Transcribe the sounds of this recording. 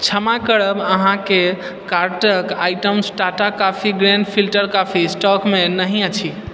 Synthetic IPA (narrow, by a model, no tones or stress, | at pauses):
t͡ʃʰəmakəɽəbəɦãke | kaɾʈəkajʈəmsʈaʈakːapʰiɡɾẽnɖpʰilʈəɾkapʰisʈɔkmenəɦĩat͡ʃʰi